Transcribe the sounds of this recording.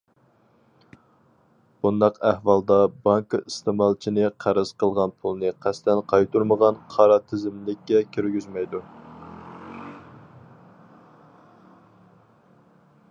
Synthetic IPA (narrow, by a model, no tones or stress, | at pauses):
b̥und̪ɑqæhwɑlˠd̪ɑbɑŋkist̪ɨmɑlˠt͡ʃʰinɨqʰæɾɨz̥qəlˠʁɑnpʰulˠnɨqʰæst̪ɛnqʰɑjt̪uɾməʁɑnqʰɑɾɑt̪ʰɪzɪmlɪkʲːɛkʲʰøɾɡʲyzmɛjd̪u